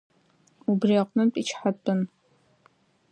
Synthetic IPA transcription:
ubriɛqʷnɨmpʼit͡ʃʰħatʼʊn

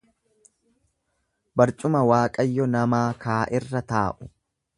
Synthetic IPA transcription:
bɐɾt͡ʃʼʊmɐwaːkʼɐjːɔnɐmaːkaːʔɪrːɐt̪aːʔʊ̥

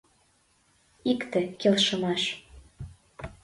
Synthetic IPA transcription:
ikt̪ĕkelʃɤ̆mɑʃ

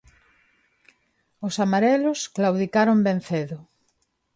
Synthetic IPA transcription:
ʊsamaɾelʊsklawðikaɾombẽn̟θeðʊ

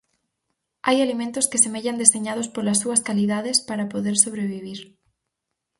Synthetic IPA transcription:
ajalimẽnt̪ʊskesemeʎand̪eseɲað̞ospolasːuɐskaliðaðespaɾapoðeɾsoβɾeβ̞iβ̞iɾ

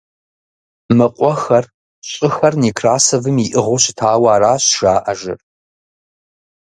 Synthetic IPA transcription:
mɨqʷʼɔxɐr | ɕʼɪxɐrniːkʰraːsɐvɨmjiʔɨʁʷoɕɪ̥tʰaːwaːraːɕʒ̥aːʔɐʒɪ̰r

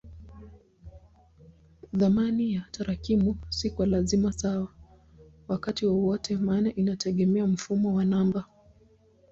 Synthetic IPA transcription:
ðamanijataɾakimusikwalazimasawa | wakatiwɔwɔtʰɛmaːnaʔinatʰɛɠɛmɛam̩fumɔwanamba

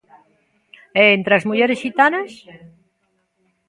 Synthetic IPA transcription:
eːnt̪ɾazmuʝeɾesxit̪anas

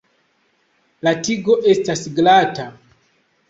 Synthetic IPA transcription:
latiɡo̞ʔe̞stasɡlata

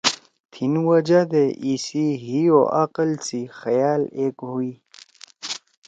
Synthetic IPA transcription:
t̪ʰinwɐd͡ʑad̪eʔisiɦio̰ʔaqəlt͡sixɐjaːleːkɦui

